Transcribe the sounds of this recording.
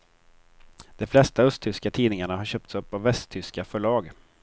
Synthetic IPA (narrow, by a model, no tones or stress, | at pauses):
d̪̥ɔmflɛst̪aɵst̪ʰʏskat̪ʰiːnɪŋaɳaɦaɾɕøːp̚t̪sɵpːavːɛst̪ʰʏskafœɭɑːɡ